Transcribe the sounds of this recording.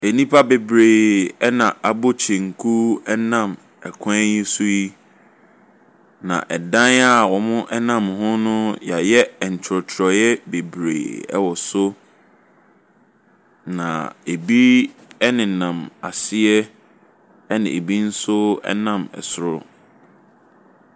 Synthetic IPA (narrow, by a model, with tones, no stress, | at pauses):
e˨nĩ˦pʰa˦be˨bɾeː˨ɛ˦nã˨ʔa˨bo˦t͡ɕʰẽ˨ŋ̩˨kʰu˦ɛ˦nã˦˨m | ɛ˨kʷʰã˦ji˦sʊ˦ji˦ | nã̰˨ʔɛ˨dã˦na˦˨wɔ˨mʊ̃˦ʔɛ˦nã˦˨mhʊ̃˦nʊ̃˦ja˨jɛ˦˨ɲ̩˨t͡ɕʰɾɔ˨tʰɾɔ˨jɛ˦be˨bɾḛː˨ɛ̰˦wɔ˨sʊ˦ | nã̰˨e˨bi˦ɛ˦nɪ̃˨nã˨ma˨sɪ˦ɛ˦ | ɛ˦nɪ̰̃˨e˨bi˦n̩˦sʊ˦ɛ̰˦nã˦˨mɛ̰˨sʊ˨ɾʊ˦